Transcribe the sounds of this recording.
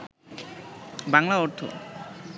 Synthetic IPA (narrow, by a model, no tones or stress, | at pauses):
baŋlaɔɾt̪ʰo̰